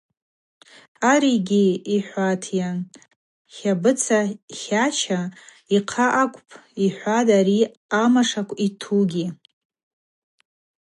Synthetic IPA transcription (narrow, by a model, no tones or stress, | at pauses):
aɾiɡʲiiħʷatʰjan | χʲabɨt͡sʰaχʲaʃʰa | iqʰaʔakʷʼpʰʼiħʷadaɾi | amaʂakʷʰʼitʰuɡʲi